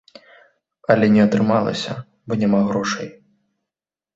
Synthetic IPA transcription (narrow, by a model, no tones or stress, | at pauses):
ɐlʲɛnʲɛɐt̪ɾɨmalˠɐ̰sʲɐ̰ | bɔnʲamaɣɾɔʂɐj